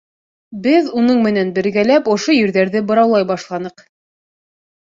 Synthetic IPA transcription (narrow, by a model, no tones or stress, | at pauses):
bɘðunɤɴmɘ̆nænbɘ̆ɾɡælæpŏʃojɘ̆ɾðæɾðɘbɤ̆ɾɑwlˠɑjbɑʃlˠɑnɤq